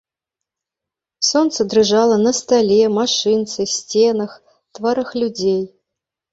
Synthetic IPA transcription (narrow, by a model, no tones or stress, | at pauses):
sont̪səd̪rɨʐɑlˠənɐst̪alʲemaʂɨnt̪sɨsʲt͡sʲenɐx | t̪vaɾɨxlʲud͡zʲej